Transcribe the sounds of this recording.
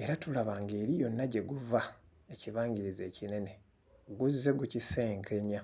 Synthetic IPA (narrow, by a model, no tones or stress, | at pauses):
e̞ɾatulaβaːŋɡe̞ːɾijo̞nːaɟe̞ɡuva | e̞ciβaːɲɟiɾize̞ːcine̞ne̞ | ɡuzːe̞ɡucise̞ːŋkʰe̞ɲa